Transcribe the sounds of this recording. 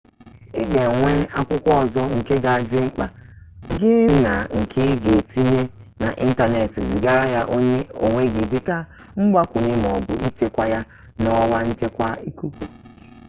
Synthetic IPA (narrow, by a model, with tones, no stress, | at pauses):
ɪ˦ɡe˨ŋʷe˦a˦kʷʊ˦kʷɔ˦ɔ˨zɔ˦ŋ̩˨ke˦ɡa˨a˨d͡ʒɪ˦ŋ͡m̩˦k͡pa˨ɡɪ˦na˨ŋ̩˨kʰɪ˦ɡe˨ti˦ɲe˦ | na̰˨ʔi˦n̩˦ta˦ne˨ti˨zi˨ɡa˦ɾa˦ja˦ʔo˦e˦o̰˨ŋʷe˦ɡi˨dɪ˦ka˦ | ŋ͡m̩˦ɡ͡ba˦kʷʊ˨ɲe˦m˨ɔ˨bʊ˨ʔi˦t͡ʃe˦kʷa˨ja˦ | nɔ˦wa˦n̩˦t͡ʃe˦kʷa˦i˦ku˦kʷu˨